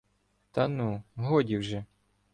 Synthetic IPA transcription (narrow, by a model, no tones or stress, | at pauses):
t̪ɐnuɦɔdʲiwʒɛ